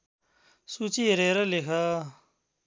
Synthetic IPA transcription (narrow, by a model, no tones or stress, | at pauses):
sut͡ʃiɾeɾɐlekʰa